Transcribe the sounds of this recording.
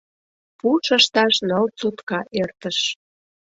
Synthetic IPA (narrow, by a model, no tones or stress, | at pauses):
puʃəʃt̪ɑʃnəlt͡sut̪kɑʔert̪əʃ